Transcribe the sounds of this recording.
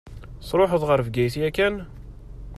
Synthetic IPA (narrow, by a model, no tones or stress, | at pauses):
sˤɾˤoħəðˤʁəɾfɡæjθjækæn